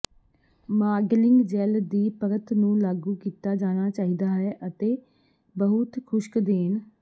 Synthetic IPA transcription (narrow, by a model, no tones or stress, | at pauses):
maːɡlɪŋɡd͡ʒɛːld̪iːpəɾət̪nũːlaːɡuːkiːt̪aːd͡ʒaːɽ̃aːt͡ʃaːɦiːd̪aːɦɛːʔət̪eː | bəɦʊt̪kʰʊʃkd̪eːn